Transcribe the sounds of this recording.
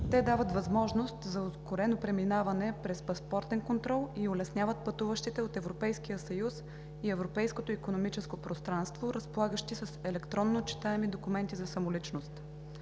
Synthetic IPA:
t̪ɛd̪avət̪vɐzmɔʒnost̪zɐoskoɾɛnopɾɛminavɐnɛpɾɛspɐspɔɾt̪ɛnkont̪ɾɔlˠiolɛsnʲjavət̪̚pɐt̪uvəʃt̪it̪ɛot̪ɛvɾopɛjskijəsɐjus | iɛvɾopɛjskot̪oikonomit͡ʃɛskopɾost̪ɾanst̪voɾəspolˠaɡəʃt̪isɐsɛlɛkt̪ɾɔnːot͡ʃi̥t̪aɛmid̪okumɛnt̪izɐsɐmolit͡ʃnost̪

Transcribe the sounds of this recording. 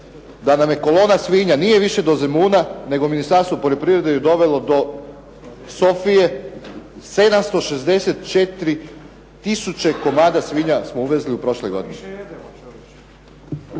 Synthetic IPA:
d̪anamje̞ko̞lˠo̞ːnasʋiɲanije̞ʋiʃe̞d̪o̞zemuːnane̞ɡominist̪aɾst̪ʋopoʎo̞pɾiʋɾe̞d̪ejed̪o̞ʋe̞lo̞d̪o̞ | so̞fije̞ | se̞d̪amst̪o̞ʃe̞zd̪eset̪t͡ʃet̪ɾi | t̪isut͡ɕe̞ko̞maːd̪asʋiːɲasmouʋezliupɾo̞ʃlo̞jɡo̞̰d̪ine

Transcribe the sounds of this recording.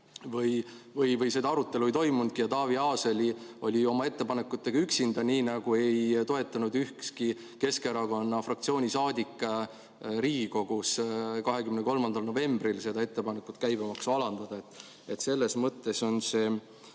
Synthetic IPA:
vɤj | vɤjvɤjse̞d̪ɑɑɾut̪ˑːe̞luo̞ijt̪o̞jmund̪̥̚kijɑt̪ɑːviɑːse̞lio̞lʲio̞mɑe̞t̪ːe̞pɑne̞kːˑut̪ːˑe̞ɡ̥ɑyksind̪ɑniːnɑɡ̥ue̞jt̪o̞e̞t̪ːˑɑnud̪yhkski | ke̞ske̞ɾɑko̞nːɑfrɑkt̪sio̞ːnʲisɑːd̪ʲikːˑɑ | ɾiːɡiko̞ɡ̥uskɑɦekymneko̞lmɑnd̪ɑlno̞ve̞mbrilse̞d̪ɑe̞t̪ːe̞pɑnekːˑut̪ːˑkæjbɑmɑksɑlɑnd̪̥ɑd̪̥ɑe̞t̪ːˑ | e̞t̪se̞lːe̞smɤt̪ːe̞so̞nse̞ː

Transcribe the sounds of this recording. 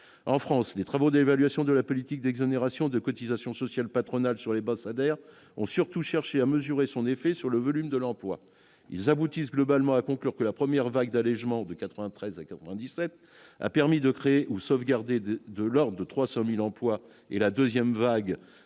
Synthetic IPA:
ɑ̃fχɑ̃slet̪χavod̪evalɥasjɔ̃d̪əlapɔlit̪ik̚d̪ɛɡzoneʁasjɔ̃d̪əkɔt̪izasjɔ̃sɔsjalpat̪χɔnalsyʁlebasad̪ɛʁ | ɔ̃syʁt̪uʃɛʁʃeaməzyʁesɔ̃nefɛsyʁləvɔlymd̪əlɑ̃plwa̰ | ḭlzabut̪is̬ɡlɔbalmɑ̃akɔ̃klyʁkəlapχəmjɛʁvaɡd̪alɛʒmɑ̃d̪əkat̪χəvɛ̃t̪χɛzakat̪χəvɛ̃d̪isɛt̪ | a̰pɛʁmid̪əkχeːʔusovɡaʁd̪ed̪d̪əlɔʁd̪ʁət̪χwasɑ̃milɑ̃plwa | elad̪øzjɛmvaɡ

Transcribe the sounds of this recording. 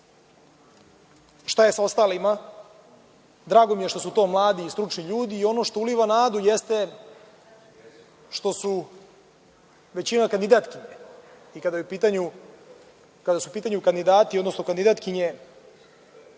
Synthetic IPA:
ʃt̪ajesao̞st̪aːlima | d̪ɾaːɡo̞mijeʂt̪osut̪o̞ːmlˠaːd̪iːst̪ɾut͡ʂniʎuːd̪iːo̞no̞ʃt̪ouliʋanaːd̪ujest̪e̞ | ʃt̪o̞su | ʋe̞t͡ɕinakand̪id̪at̪kiɲe | ikad̪ajupiːt̪aɲu | kad̪asupiːt̪aɲukand̪id̪aːt̪iod̪no̞sno̞kand̪id̪aːt̪kiɲe

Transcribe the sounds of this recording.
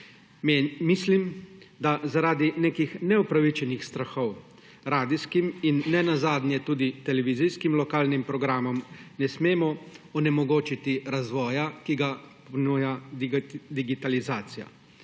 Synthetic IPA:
mislim | d̪azaɾaːd̪ineːkixnɛupɾaʋit͡ʃɛnixst̪ɾaxɔw | ɾaːd̪iskiminːɛnazaːd̪nʲjɛt̪uːd̪it̪ɛlɛʋizijskimlɔkaːlnimpɾɔɡɾaːmɔmnɛsmeːmɔɔnɛmɔɡoːt͡ʃit̪iɾazʋɔːjakiɡapɔnuːja | d̪iɡit̪alizaːt̪sija̰

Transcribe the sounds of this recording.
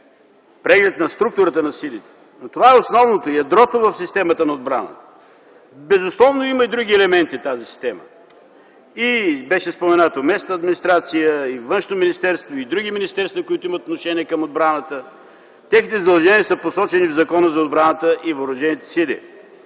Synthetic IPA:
pɾɛɡlɛt̪̚nɐst̪ɾuk̚t̪ʊɾət̪ənɐsilʲit̪ɛ̥ | not̪ovaɛosnɔvnot̪oijɐd̪ɾɔt̪ovɐfsist̪ɛmət̪ənɐod̪̚bɾanə̰t̪ə̥ | bɛzʊslˠɔvnoiməid̪ɾuɡʲiɛlɛmɛnt̪it̪azisi̥st̪ɛmə̰ | ibɛʃɛspomɛnat̪omɛsnəɐd̪minist̪ɾat̪sijəivənʃnominist̪ɛɾst̪void̪ɾuɡiminist̪ɛɾst̪vɐkoit̪ʊimət̪ot̪noʃɛniɛkɐmod̪̚bɾanət̪ə | t̪ʲɛxnit̪ɛzəd̪ɐlˠʒɛniɛsəposɔt͡ʃɛnivzɐkɔnəzɐod̪̚bɾanət̪əʔivoɾʊʒɛnit̪ɛ̥silʲḭ

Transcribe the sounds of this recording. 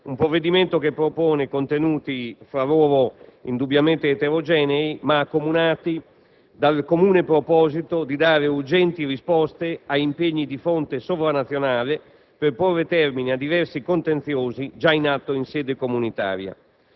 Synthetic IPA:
umpɾovːed̪iment̪okepːɾopoːnekont̪enuːt̪ifɾaloːɾoind̪ubjament̪eːt̪eɾod͡ʒɛːneimaːkːomunaːt̪i | d̪alkomuːnepɾopɔːzit̪od̪id̪aːɾeurd͡ʒɛnt̪irispɔst̪eaimpeɲːid̪ifont̪esovɾanat̪sːjonaːle | perporːet̪ɛrminiad̪ːivɛrsikont̪ent̪sjoːzid͡ʒainat̪ːoinsɛːd̪ekomunit̪a̰ːɾja̰

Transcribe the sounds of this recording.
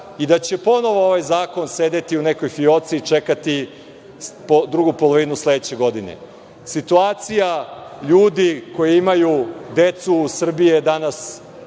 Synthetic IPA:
id̪at͡ɕe̞po̞no̞ʋooʋajzaːko̞nseːd̪e̞t̪iune̞ko̞jfio̞t̪siːt͡ʃe̞kat̪i | pod̪ɾuɡupolˠo̞ʋinusled̪et͡ɕe̞ɡo̞d̪inḛ | sit̪uaːt̪sijaʎuːd̪iko̞jeimajud̪e̞t̪susr̩bijed̪anas

